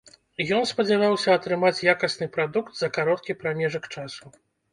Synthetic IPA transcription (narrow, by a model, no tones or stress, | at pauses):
jɔnspɐd͡zʲavawsʲɐːt̪ɾɨmat͡sʲjakɐsʲnɨpɾad̪ukt̪z̥ɐkaɾɔt̪̚kʲipɾamʲɛʐɐkt͡ʂasu